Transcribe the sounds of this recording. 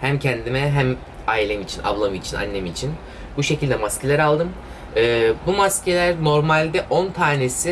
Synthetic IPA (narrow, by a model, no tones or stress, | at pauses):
hæmcʰɛnd̪imɛɦæm | aːilʲemit͡ʃʰinʔa̰blˠamɯit͡ʃʰina̰nːemit͡ʃʰin | buʃe̞cilʲd̪ɛmascʰelʲæɾalˠd̪ɯm | ɯːbumascʰelʲæɾno̞ɾmalʲd̪ɛʔo̞nt̪ʰaːnesi